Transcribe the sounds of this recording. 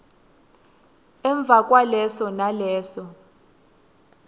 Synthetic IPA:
ɛɱb̪vʱakʼwalɛsɔnalɛːsɔ

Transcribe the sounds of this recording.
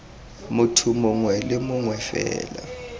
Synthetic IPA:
mutʰumuŋwɛlɪmʊŋwɛfɛ̰ːla̰

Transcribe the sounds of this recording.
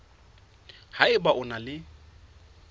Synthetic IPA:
haɪbaʔʊnalɪ

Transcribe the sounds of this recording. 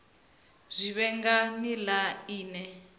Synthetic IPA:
zʷiβɛŋɡanilaiːnɛ

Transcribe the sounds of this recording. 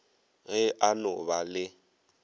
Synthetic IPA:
ɣɛanʊbalɪ

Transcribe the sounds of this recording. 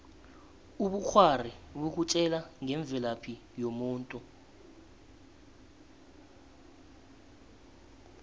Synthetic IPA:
uɓuk͡xʰwariɓuk̬ut͡ʃʼɛlaŋʱɛɱb̪vʱɛlapʰi | jomuːntʼu

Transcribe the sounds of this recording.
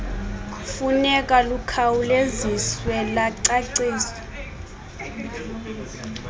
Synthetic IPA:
funɛkʼalukʰawuleziswɛlaǀaǀeːsɔ̥

